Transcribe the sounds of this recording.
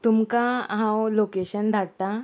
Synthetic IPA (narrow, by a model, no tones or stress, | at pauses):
t̪umkaɦãwlokeɕənd̪ʱaɽt̪a